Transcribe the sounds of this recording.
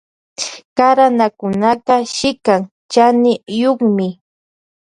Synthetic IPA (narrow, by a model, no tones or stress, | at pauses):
kaɾanakʊnaqɑʃɪkaŋ | t͡ʃanɪjoχmɪ